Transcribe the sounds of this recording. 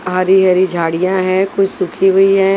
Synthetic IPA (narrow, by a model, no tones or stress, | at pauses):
ɦaɾiɦɐɾid͡ʒʱaːɽijãɦɛ̃ːkʊt͡ʃsʊkʰiʋəiɦɛ